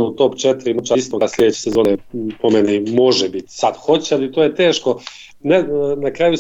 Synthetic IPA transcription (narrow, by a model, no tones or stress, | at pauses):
ut̪opt͡ʃet̪ɾimot͡ʃaist̪oɡaslʎʲed̪et͡ɕesezo̞ːnepomenimo̞ʒɛbit̪sad̪̥xo̞t͡ɕealit̪oːjet̪e̞ːʃko̞ | nenakɾaːju